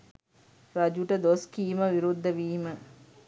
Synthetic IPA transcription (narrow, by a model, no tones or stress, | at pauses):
ɾɐd͡ʒuʈəd̪oskiːməʋiɾud̪ːəʋiːmə